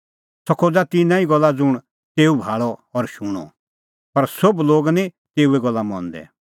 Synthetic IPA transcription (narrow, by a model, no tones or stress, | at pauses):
sɔkʰːod͡zat̪ɪnãːiɡɔlːad͡zʊɽ̃ | t̪eːubʱaːɭɔɔɾʃuɽ̃ɔ̰ | pɐɾsobloːɡni | t̪eːuɛɡɔlːamɔ̰̃ːnd̪ɛ̰